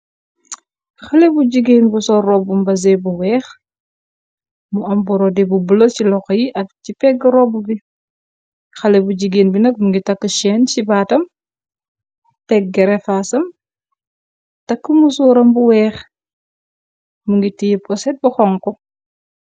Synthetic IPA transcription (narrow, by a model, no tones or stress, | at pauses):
xɐlebuɟiɡeːnbusɔrɔbumbɐzɛbuwɛːx | muɐmbuɾɔdɛbubələcilɔxjiʔɐfcipɛɡəɾɔbubi | xɐlebuɟiɡeːnbinɐk̚muŋɡitɐkːəʃɛːnt͡ʃibaːtɐm | tɛk̚ɡɛɾɛfasɐm | tɐkːəmusuːɾɐmbuwɛːx | muŋɡitijəp̚kɔsɛt̚buxɔŋkɔ